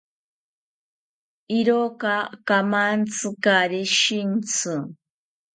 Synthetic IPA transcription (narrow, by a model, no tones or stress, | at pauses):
iɾokakamant͡sʰɨkaɾiʃint͡sʰɨ